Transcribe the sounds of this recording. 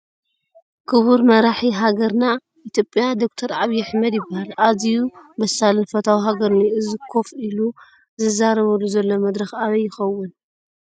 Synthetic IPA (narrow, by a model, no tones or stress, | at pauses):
kʰɨβuɾmɐɾaħiɦaɡɐɾna | ʔit̪ʰjopʼːijad̪o̞k̚t̪ʰɐɾʕaβijaħmɐd̪jɪbːahalazijubɐsalɐnfɐt̪ʰawiɦaɡɐɾniɨzikʰo̞filu | zɨzaɾɐβɐluzɐlːo̞mɐd̪ɾɐxaβɐjːɪxɐwːʊn